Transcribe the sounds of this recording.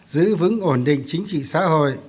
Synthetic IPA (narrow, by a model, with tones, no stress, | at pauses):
zɨ̰˧˥vɨ̰˧˥ŋʔo˧˩nɗḭ̈˧˨ŋ̟t͡ɕï˨˦ŋ̟t͡ɕḭ˧˨sa̰ː˧˥ho̰˧˨j